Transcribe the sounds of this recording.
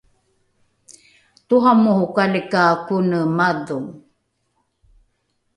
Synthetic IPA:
tuɦamuhukalikakunəmaduŋ

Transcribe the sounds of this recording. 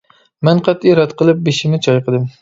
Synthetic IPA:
menqʰɑt̪iɾat̪qɨlˠɪp̚beʃɪmɪt͡ʃʰɒjqʰɨd̪ɪm

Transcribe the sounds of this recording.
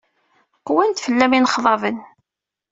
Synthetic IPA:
qːwænt̪fəlːæminχðˤɑvən

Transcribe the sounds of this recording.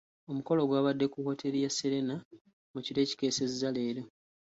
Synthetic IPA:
o̞muko̞lo̞ɡwaːβadːe̞kuho̞ːtʰeɾijaseɾe̞na | muciɾe̞ːci̥ke̞ːsezzale̞ːɾo

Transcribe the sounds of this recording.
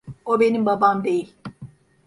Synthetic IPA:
o̞be̞nimbabamd̪e̞jilʲ

